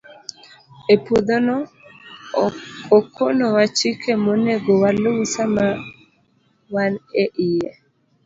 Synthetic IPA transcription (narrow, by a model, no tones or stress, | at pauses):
epud̪onɔ | okʰonɔwat͡ʃikʰemoneɡowalusama | waneʔɪjɛ